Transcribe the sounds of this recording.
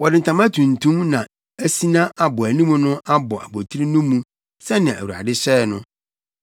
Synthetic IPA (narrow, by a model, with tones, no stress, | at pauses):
wɔ˨dɪ˨n̩˨tʰã˨mã˦tʰũ˨n˨tʰũ˦mnã˨ | æ˦si˦nã˦ʔa˨bɔ˨æ˨nĩ˦mũ˦nʊ̃˦ʔa˦bɔ˨ʔæ̰˨bo˨tʰi˦ɾi˦nũ˦mũ˦ | sɛ˦nɪ̃˨æ̰˨wu˨a̰˨dɪ˦ɕɛː˦˨nʊ̃˦